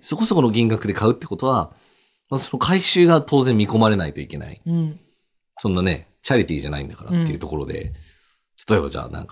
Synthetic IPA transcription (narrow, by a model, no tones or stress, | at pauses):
so̞ko̞so̞ko̞noɡʲĩŋɡakɯ̟d̪e̞kaɯ̟t̪ːe̞ko̞t̪o̞βa | maso̞no̞kʰaiɕɨːɡat̪ʰo̞ːzẽ̞mmʲːiko̞maɾe̞nait̪o̞ike̞na̰ḭ | sõ̞nːane̞̰ | t͡ɕaɾʲit̪ʲiːʑanaḭ̃nd̪akaɾa̰t̪ːeiɯ̟t̪o̞ko̞ɾo̞d̪e̞̰ | t̪ʰḁt̪o̞e̞bad͡ʑa̰ːnã̰ŋka